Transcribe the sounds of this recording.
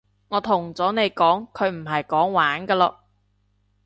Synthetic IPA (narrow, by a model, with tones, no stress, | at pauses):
ŋɔː˨˧t̪ʰʊ˨˩ŋt͡sɔː˨˥ne˨˧jkɔː˨˥ŋkʰɵ˨˧ɥm̩˨˩ɦɐ˨jkɔː˨˥ŋwaː˨˥nkɐː˧lɔ̰ː˧